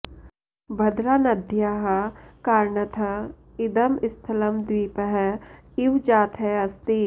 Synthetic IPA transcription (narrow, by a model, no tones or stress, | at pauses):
bʱɐd̪ɾaːnɐd̪ʱjaːɦɐkaːɾɳɐt̪ʰɐ | ɪd̪ɐmɪst̪ʰɐləmd̪wiːpəɦɪwd͡ʒaːt̪ʰɦɛɐst̪i